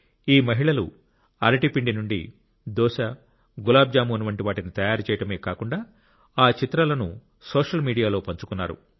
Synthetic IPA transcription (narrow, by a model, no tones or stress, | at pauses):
iːmɐɦiɭɐlṵ | ɐɾɐʈipiɳɖinuɳɖḭ | d̪ɔːʃɐ | ɡulaːb̚d͡ʒaːmuɐnuʋɐɳʈiʋaːʈinit̪ɐjaːɾut͡ʃɛːjɐʈɐme̞ːkaːkuɳɖaː | aːt͡ʃit̪ɾɐlɐnu | soːʂɐlmiːɽijaːlo̞ːpɐɲt͡ʃu̥kunːa̰ːɾṵ